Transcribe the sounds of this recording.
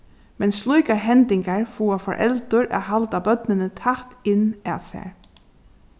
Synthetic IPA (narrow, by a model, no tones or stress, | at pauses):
mɛnslˠujkaɹɦɛnt̪ɪŋkaɹfuːafɔ̰ɹʔɛ̰lt̪ʊɹʔa̰ːɦalt̪abœt̪nɪnət̪ʰaht̪ɪnːæːsæ̰ːɹ